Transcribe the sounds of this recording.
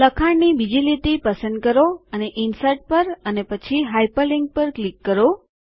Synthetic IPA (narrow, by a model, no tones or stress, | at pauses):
ləkʰaɳnibid͡ʒilit̪ipəsə̃nd̪̚kəɾoəneʔinsəɾʈ̚pəɾənepət͡ʃʰiɦajpəliŋɡ̚pəɾklikːəɾo